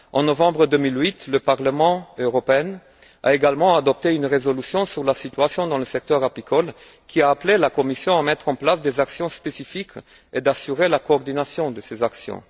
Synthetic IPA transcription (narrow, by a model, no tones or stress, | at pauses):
ɑ̃nɔvɑ̃bʁəd̪ømilwit̪ləpaʁləmɑ̃øʁɔpeɛn | a̰eɡalmɑ̃ad̪ɔp̚t̪eynʁezɔlysjɔ̃syʁlasit̪ɥasjɔ̃d̪ɑ̃ləsɛk̚t̪œʁapikʰɔl | kʰʲiaːplelakɔmisjɔ̃amɛt̪χɑ̃plasd̪ezaksjɔ̃spesifik | ed̪asyʁelakoːʁd̪inasjɔ̃d̪əsezaksjɔ̰̃